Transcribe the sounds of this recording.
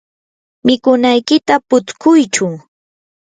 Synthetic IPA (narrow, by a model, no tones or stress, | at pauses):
mɪkʊnajkɪt̪apʊt͡skʊjt͡ʃʊŋ